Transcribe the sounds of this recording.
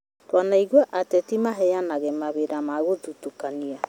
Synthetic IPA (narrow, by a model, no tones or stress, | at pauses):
twanaiɣuaʔatɛtimaɦɛjanaɣɛmaβeɾamaɣoðutokania